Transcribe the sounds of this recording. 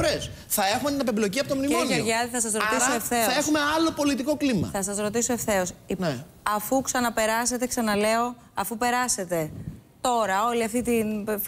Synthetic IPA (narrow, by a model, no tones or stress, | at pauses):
ɾes | θɐe̞xumet̪inɐpeblo̞ciɐpot̪omnimonʝeɾʝɐðiθɐsɐsɾo̞t̪issoefθe̞ɐexumeɐlo̞po̞lit̪iko̞klimɐ̰θɐsɐsɾo̞t̪isoe̞fθe̞o̞sine | ɐfuksɐnɐpe̞ɾɐse̞t̪e̞ksɐnɐle̞o̞ | ɐfupe̞ɾɐse̞t̪e̞t̪o̞ɾɐo̞liɐft̪it̪in